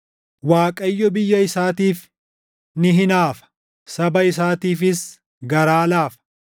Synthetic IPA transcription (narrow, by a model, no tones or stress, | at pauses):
waːkʼɐjːɔbɪjːɐɪsaːt̪iːf | nɪɦɪnaːfɐ̥ | sɐbɐɪsaːt̪iːfɪs | ɡɐɾaːlaːfɐ̥